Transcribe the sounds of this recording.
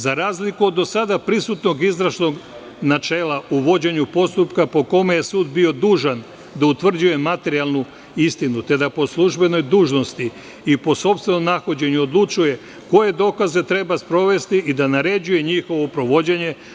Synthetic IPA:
zaɾaːzlikuod̪ːo̞sad̪apɾisut̪no̞ɡizɾaʃno̞ɡ | nat͡ʃe̞ːlaʔuʋo̞d͡ʑe̞ɲupo̞st̪upkapo̞ko̞meje̞suːd̪bio̞d̪uːʒan | d̪aut̪ʋr̩d͡ʑuje̞mat̪e̞ɾialˠnu | ist̪inut̪e̞d̪apo̞slˠuʒbe̞no̞jd̪uːʒno̞st̪i | ipo̞so̞pst̪ʋe̞no̞mnaxod͡ʑe̞ɲuod̪lˠut͡ʃuje̞ | ko̞je̞d̪o̞ːkaze̞t̪ɾe̞baspɾo̞ʋe̞st̪iʔid̪anaɾe̞d͡ʑuje̞ɲixo̞ʋopɾo̞ʋo̞d͡ʑe̞ɲe̞

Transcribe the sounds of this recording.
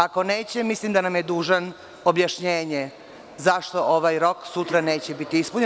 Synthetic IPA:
ako̞neːt͡ɕemislimd̪anamjed̪uːʒan | objaʃɲeːɲe | zaʃt̪o̞ʔoʋajɾo̞ksut̪ɾane̞ːt͡ɕebit̪iispuɲe

